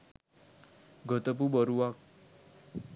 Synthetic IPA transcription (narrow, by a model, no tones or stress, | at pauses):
ɡʱət̪əp̬ubəɾuʋak̚